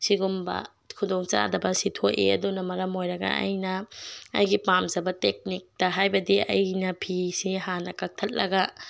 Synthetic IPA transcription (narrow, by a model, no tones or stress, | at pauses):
siɡumbɐ̰ | kʰudoŋt͡ʃa̰dɐbɐsitʰoʔḛɐ̰dunɐmɐɾɐmojɾɐɡɐ̰ɐ̰jnɐ̰ːjɡipamzɐbɐtek̚nik̚tɐɦajbɐdiɐ̰jnɐpʰisihanɐkɐk̚tʰɐt̚lɐɡɐ